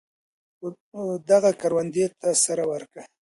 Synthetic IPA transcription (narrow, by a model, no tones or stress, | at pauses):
d̪aɣakaɾwand̪et̪asaɾawaɾka